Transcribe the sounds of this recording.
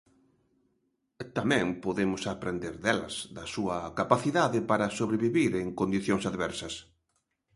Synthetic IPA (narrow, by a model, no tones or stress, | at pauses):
t̪amɛ̃ŋpoðemʊsapɾend̪eɾðɛlɐ̰z̥ðɐsuɐkapaθiðaðɪpaɾɐsoβɾeβiβiɾeŋkond̪iθjoŋsaðβɛɾsɐs